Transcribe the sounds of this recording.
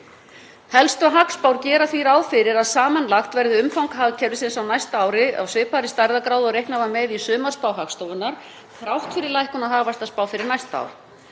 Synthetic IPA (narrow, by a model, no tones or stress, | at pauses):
hɛlst̪ʏaɦakspawɾcɛːɾaθviɾaːwðfɪɾɪɾaðsaːmanlaxt̪vɛɾðɪʏmfawŋkɦaɣcʰɛɾðʏsɪnsawnajst̪aːwɾɪa̰wsvɪːpaɾɪst̪aɾðakɾawðɔɾejhknavamɛðisʏːmarspaːwɦakst̪owvʏnːaɾ̥ | θɾawht̪fɪɾɪɾlajhkʏnaɦaːvast̪aspaːwfɪɾɪɾnajst̪a̰wɾ